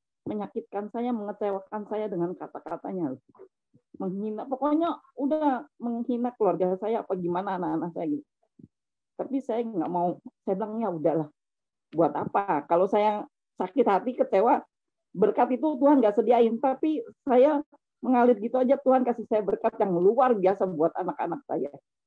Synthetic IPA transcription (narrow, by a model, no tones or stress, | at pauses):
məɲakɪt̪̚kansajaməŋət͡ʃewakansajadəŋankat̪akat̪a̰ɲalʊ | məŋɦinapokoɲaudahməŋhinakəluarɡasajaːpaɡimanaːnakanaksajaɡit̪u | t̪apisajaŋɡa̰ʔmausajabilaŋjaudahlah | buat̪apakalosaja | sakɪt̪hat̪ikət͡ʃewa | bərkat̪it̪ut̪̬uɦanɡaʔsədiaɪnt̪apisaja | məŋalɪt̪̚ɡit̪uad͡ʒat̪uhankasisajabərkat̪̚jaŋluarbiasabuat̪anaka̰nak̚sa̰ja